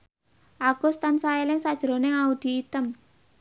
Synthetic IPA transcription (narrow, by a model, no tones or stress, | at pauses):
ʔaɡ̥o̤st̪ansaelɪŋsad̥ʒ̥ɾo̤nɪŋaud̪̥i̤ːt̪əm